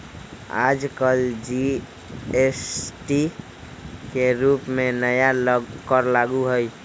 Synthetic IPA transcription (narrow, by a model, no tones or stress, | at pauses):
a̰d͡ʒkəld͡ʒi | esʈi | keɾupmenəjakəɾlaɡuɦəj